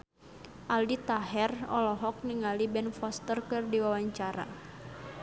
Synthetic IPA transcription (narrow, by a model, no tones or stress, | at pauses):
ʔaldit̪aɦɛrɔlɔɦɔk̚niŋalibɛnfɔst̪ərkɨrdiwawaɲt͡ʃaɾa̰